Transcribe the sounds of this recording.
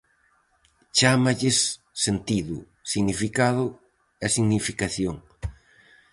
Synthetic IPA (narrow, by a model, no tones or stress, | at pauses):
t͡ʃamaʎɪsː | ent̪iðʊ̰ | siɣnifikaðʊ | ɛsiɣnifikaθjoŋ